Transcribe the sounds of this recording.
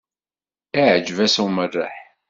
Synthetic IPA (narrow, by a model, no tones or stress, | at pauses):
æʕd͡ʒvæsuwmərːa̰ħ